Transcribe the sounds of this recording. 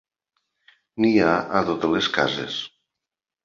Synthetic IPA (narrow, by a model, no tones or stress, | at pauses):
niaʔat̪ot̪eleska̰zḛs